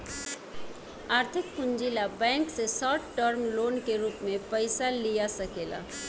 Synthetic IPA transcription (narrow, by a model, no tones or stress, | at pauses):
aːɾt̪ʰɪk̚pʊnd͡ʒilabɛ̃ːŋksesɔːʈʈəɾmloːnkeɾuːpmẽpəɪsalijasəkeːla̰